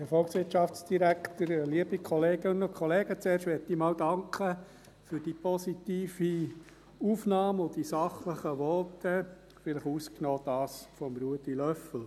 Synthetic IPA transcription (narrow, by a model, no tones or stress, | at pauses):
ɛɾfɔlksʋɪtʃɑft͡sd̥iɾæktəɾliəb̥ikʰɔleːɡɪnʊkʰɔleːɡət͡sɛːɾrʃtʋɛt̚d̥iːmɑːwdɑŋkχə | fʏɾd̥ipɔsitiːfi | uːfnɑːmʊd̥isɑχləχəʋɔtə | fɪləχuːsknɔːd̥ɑːsfɔmɾuətilœfl̩